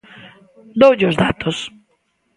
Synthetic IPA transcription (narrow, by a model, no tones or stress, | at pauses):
d̪owʎozðat̪os